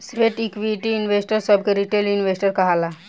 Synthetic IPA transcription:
sʋeʈikʋiʈiːnʋesʈəɾsəb̚keɾiʈelinʋesʈəɾkəɦala

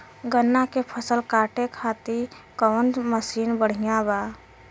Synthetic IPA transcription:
ɡənːakepʰəsəlkaːʈekʰat̪i | kɔːnməsiːnbəɽ̤ijãba

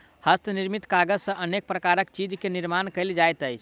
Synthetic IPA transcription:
həst̪niɾmit̪kaɡəd͡ʒsə̃ʔənek̚pɾəkaɾəkt͡ʃid͡ʒkeniɾmankəɪld͡ʒajt̪əjt͡ʃʰ

